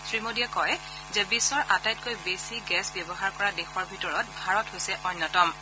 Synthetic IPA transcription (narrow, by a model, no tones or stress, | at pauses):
sɹimodijakɔj | zɛbisɔɹʔatajt̚kojbesiɡɛsbjɔbɔɦaɹkɔɹadexɔɹbʱitɔɹɔt̚bʱaɹɔthojsɛʔɔnːɔtɔm